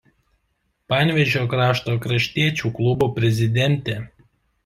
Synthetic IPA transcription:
pɑːˑnʲʋʲɛʒʲoːkɾɑːʃt̪oːkɾɐʃʲt̪ʲiɛt͡ʃʲuːklˠʊbuːpʲɾʲɛzʲɪd̪ʲɛnʲt̪ʲɛ

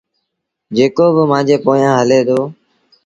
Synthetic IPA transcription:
d͡ʒeːkoːbəmãːd͡ʒeːpoːjãːɦəleːd̪oː

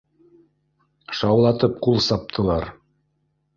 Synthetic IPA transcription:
ʃɑwlˠɑt̪ɤp̚qulˠsɑp̚t̪ʰɤ̆lˠɑɾ

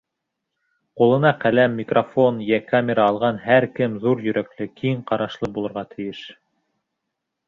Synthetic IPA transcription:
qulˠɤ̆nɑqælæmːɪkrofo̞njækamʲɪɾɑɑlˠʁɑnhæɾkɘmðuɾjɵ̆ɾæklɘkʰiɴqɑɾɑʃlˠɤbulˠɤ̆ɾʁɑt̪ʰɘ̆jɘʃ

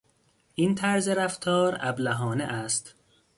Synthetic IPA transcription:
ʔiːnt̪ʰæɾzeɾæft̪ʰɒːɾæ̰blæɦɒːnḛʔæst̪

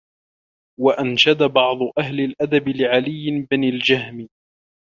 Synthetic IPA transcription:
waʔanʃad̪abɑʕd̪ˤʊʔaɦlɪlʔad̪abɪlɪʕalɪjːɪbɪnald͡ʒaɦmɪ

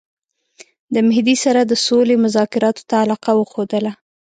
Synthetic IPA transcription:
d̪əmɪhd̪isaɾad̪əsolemʊzɑkɪɾɑt̪o̥t̪aːlɑqawəxod̪əla

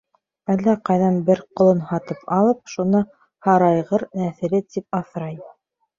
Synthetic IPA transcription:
ælːæqɑjðɑnbɘɾqŏlˠɤnhɑt̪ɤpɑlˠɤp̚ʃunɑ | hɑɾɑjʁɤɾnæθɘ̆lɘt̪ip̚ɑθɾɑj

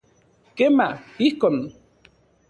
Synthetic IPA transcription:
kemaihkon

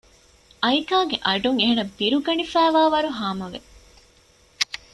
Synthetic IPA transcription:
ʔɐikaːɡeʔɐɖuŋeɦenɐbiɾuɡɐnifæːʋaːʋɐɾuɦaːmɐʋḛ

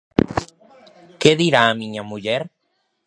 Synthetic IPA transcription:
keðiɾaːmiɲamuʝeɾ

